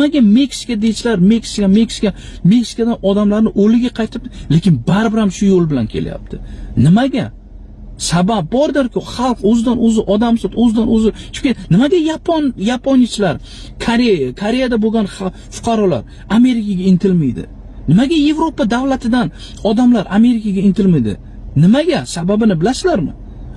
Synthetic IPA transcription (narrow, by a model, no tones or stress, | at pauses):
maɡʲame̞kʲsɪ̥kʲad̪et͡ʃʰɪlaɾme̞ksɪ̥kame̞kʲsɪ̥kʲa | me̞ksɪ̥kad̪anɒd̪amlaɾnɪʔolɪɡʲaqʰɑjt̪ʰɪp̚t̪ɪle̞kʲɪnbaɾɪbɪɾamʃʊjolˠbɪla̰nkʲʰe̞̰lja̰p̚t̪ʰɪnɪmaɡʲa | sabap̚bːɒɾd̪ɪɾkʲʰʊχɑlˠqɵzɪd̪anɵzɪʔɒd̪amsɒt̪ɵzɪd̪anɵzɪt͡ʃʰʊ̥pkʲʰet̪nɪmaɡʲajapʰonjapʰonjat͡ʃʰɪlaɾ | kʰaɾekʰaɾe̞jad̪aboɡʲanχ | fʊ̥qʰɑɾɒla̰ɾ | ame̞ɾɪkaɡʲaɪnt̪ʰɪlmɪjd̪ɪ̰ | nɪmaɡʲaje̞vɾopad̪avlat̪ʰɪd̪an | ɒd̪amlaɾʔame̞ɾɪkʲaɡʲaɪnt̪ʰɪlmɪjd̪ɪ̰ | nɪmaɡʲasababɪnɪbɪlasɪlaɾmɪ̰